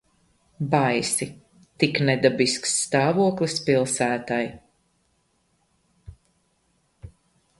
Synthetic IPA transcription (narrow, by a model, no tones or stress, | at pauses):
bajsi | t̪iknɛd̪abisksːt̪ɑːvuɔklˠispilˠsæːt̪aj